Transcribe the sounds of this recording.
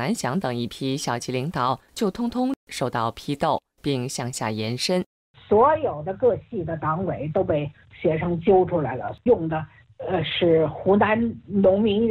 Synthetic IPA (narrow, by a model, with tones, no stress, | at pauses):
na˧˥nɕjɑ˧˥ŋt̪ɤ˨˩ŋi˥˩pʰi˥ɕjɑ˨˩ʊt͡ɕʰi˧˥li˧˥ŋt̪ɑ˨˩˦ʊt͡ɕjo˥˩ʊt̪ʰʊ˥ŋt̪ʰʊ˥ŋʂo˥˧ʊt̪ɑ˥˩ʊpʰi˥t̪o˥˩ʊ | pi˥˧ŋɕjɑ˥˧ŋɕja̰˥˩jɛ˧˥nʂə˥n | swɔ˧˥jo˨˩ʊd̪ə˦kɤ˥˧ɕi˥˩d̪ə˩t̪ɑ˧˥ŋwe˨˩˦ɪt̪o˥ʊpe˥˩ɪ | ɕɥɛ˧˥ʂʰɤ˥ŋt͡ɕjo˥ʊʈ͡ʂʰu˥la˧˥ɪlə̰˧jʊ˥˩ŋd̪ə˩˧ | ʂɻ̩˥˩xu˧˥na˧˥nnʊ˧˥ŋmi˧˥ŋ